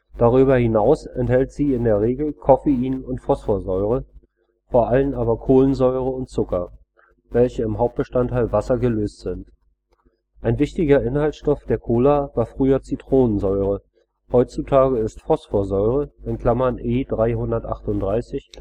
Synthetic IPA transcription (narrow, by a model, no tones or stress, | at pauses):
d̥aʁyːbɐhɪnaʊsɛnthɛltz̥iːɪndeːɐʁeːɡl̩kʰɔfeiːnʊntfɔsfoːɐzɔʏʁ̞ə | foːɐʔalənaːβɐkʰoːlənzɔʏʁ̞əʊntt͡sʊkɐ | vɛlçəɪmɦaʊp̚t̚b̥əʃtantʰːaɪlvasɐɡəløːstz̥ɪnt | ʔaɪnvɪçtɪɡɐʔɪnhalsʃtɔfd̥eːɐkʰoːlavaːɐfʁ̥yːɐt͡sitʁ̥oːnənzɔʏʁ̞ə | hɔʏt͡sutʰaːɡəɪstfɔsfoːɐzɔʏʁ̞əʔɪnkʰl̥amɐnʔeːdʁaɪɦʊndɐtʔa̰χtʊntdʁaɪsɪç